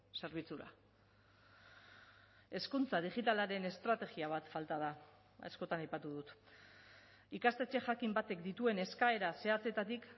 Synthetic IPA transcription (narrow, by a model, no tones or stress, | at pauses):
se̞ɾβ̞it͡suɾa̰ | e̞skunt͡saðiʝit̪alaɾe̞ne̞st̪ɾat̪e̞ɣiaβ̞at̪falt̪aða | a̰sko̞t̪anajpat̪uðut̪ | ikast̪e̞t͡ʃe̞ʝakimbat̪e̞kd̪it̪ue̞ne̞skae̞ɾase̞at͡se̞t̪at̪ik